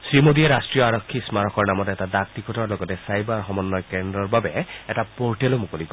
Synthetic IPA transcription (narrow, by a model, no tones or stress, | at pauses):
sɹimod̪ieɾastɹijɔaɹɔkʰːismaɹɔkɔɹnamɔtɛtadak̚t̪ikɔtɔɹlɔɡɔtɛsajbaɹxɔmɔnːɔjkendɹɔɹbabɛɛtapoɹʈelomukolikɔ